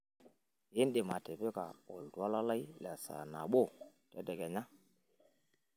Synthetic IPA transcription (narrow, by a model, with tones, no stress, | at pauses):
ji˦nde˨ma˨tɛ˨pe˦ka˨ɔ˨ldu˨˦a˦la˦la˦i˦lɛ˨sa̰˨na̰˨ɓo˦˨tɛ˦dɛ˨ɡɛ˨ɲa˦